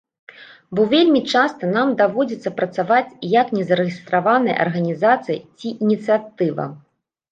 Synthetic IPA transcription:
bɔvʲelʲmʲit͡ʂast̪ɐnamd̪avɔd͡zʲit̪sːɐpɾɐt̪savat͡sʲjɐknʲɛzɐɾɨɣʲist̪ɾavanɐjɐ̰ʔɐ̰rɣɐnʲizat̪sɨjḭt͡sʲiʔinʲit̪sɨjat̪ɨvɐ̰

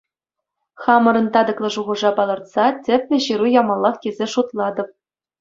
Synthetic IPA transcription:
χɑmɤ̆ɾɤ̆nt̪ɑd̪ɤ̆klˠɤ̆ʐuʁɤ̆ʐɑpɑlˠɤ̆rt̪sɑtʲɘ̆pʲlʲɘ̆ɕɯɾujɑmɑlˠːɑχkʲizʲeʂut̪lˠɑd̪ɤ̆p̚

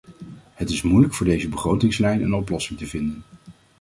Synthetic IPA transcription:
ɦətɪsmujləkfʊːɹdejzəbəχrowtɪŋslɛjnə̰nɔplɔsɪŋtəvɪndən

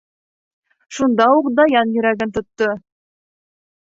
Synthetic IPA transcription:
ʃund̪ɑuqd̪ɑjɑnjɵ̆ɾæɡɘnt̪ŏt̪ːɤ

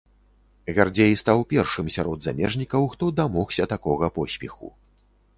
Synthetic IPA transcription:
ɣʲard͡zʲejist̪awpʲɛrʂɨmsʲaɾɔd̪zamʲɛʐnʲikɐwxt̪ɔd̪amɔxsʲɐt̪akɔɣɐpɔsʲpʲɛxṵ

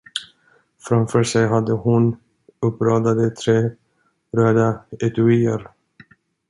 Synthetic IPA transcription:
fɾamfœːʂɛjɦad̪ːəhʊn | ɵpːɾɑːd̪ad̪ət̪ʰɾeː | ɾœːd̪aɛt̪ʉiːə̰ɾ

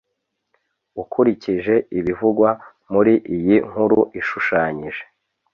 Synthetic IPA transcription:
ukʰuɾiciʒe̞iβivuɡwa | muɾiʔijiŋ̥uɾuʔiʃuʃaːɲiʒe̞̥

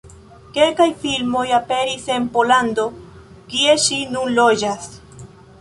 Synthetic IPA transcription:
ke̞lkajfilmo̞jape̞ɾise̞mpo̞land̪o̞ | kie̞ʃinunlod͡ʒas

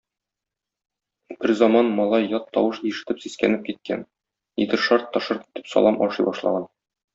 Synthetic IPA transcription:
b̥ɘɾzɒmɑnmɒlˠɑjːɒt̪ʰːɒwɤʃiʃɘ̆t̪ɘpsiskænɘp̚kit̪̚kæn | id̪ɘɾʃɑɾt̪ːɤ̆ʃɤɾki̥t̪ɘ̥psɒ̰lˠɑmʔɒʃɤjbɒʃlˠɑ̰ʁɑn

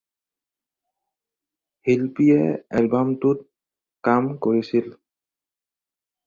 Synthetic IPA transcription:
hilpiɛɛlbamtut̪̚ | kamkoɹisil

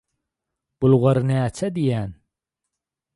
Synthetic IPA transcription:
b̥ulˠʁɑɾnæːt͡ʃʰæd̪ijæn

